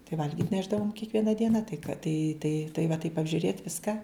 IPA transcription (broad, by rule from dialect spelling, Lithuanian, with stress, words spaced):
tɐɪ ˈʋɐlʲɡʲɪtʲ ˈnʲæːʒdɐʋoːm kʲiɛkˈʋʲiɛnɐ ˈdʲiɛnɐ tɐɪ kɐ tɐɪ tɐɪ tɐɪ ʋɐ tɐɪp ɐbʲʒʲʊˈrʲeːtʲ ˈʋʲɪskɐ